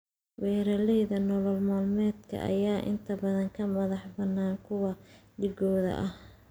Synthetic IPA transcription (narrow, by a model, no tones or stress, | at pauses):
wɛːɾɐlɛjðɐnɔlɔlmaːlmɛːd̪kʰɐ̰ʔɐ̰jaːʔɪ̰nt̪ʰɐbɐðɐŋkʰɐmɐðɑħbɐnːaːnkʰʊwɐɖɪɡɔːðɐ̰ʔɐh